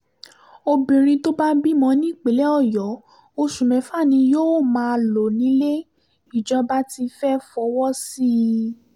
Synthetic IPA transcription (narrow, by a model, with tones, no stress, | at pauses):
o˧bĩ˨ɾ̃ĩ˧to˦ba˦bi˦mɔ̃˧˦nĩ˦˨k͡pe˨˦lɛ˦ɔ˦˨jɔ˨˦ | o˧ʃu˨mɛ̃˨˦fa˦˨nĩ˧joː˦mãː˨˦lo˨nĩ˨˦le˦ | i˦˨d͡ʒɔ˧˦ba˦ti˧fɛ˦fɔ˧˦wɔ˦si˦˧